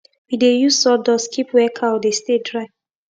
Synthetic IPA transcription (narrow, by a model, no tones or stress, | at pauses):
widejuzsɔdɔskʰipwɛkʰaɔdestedɹaɪ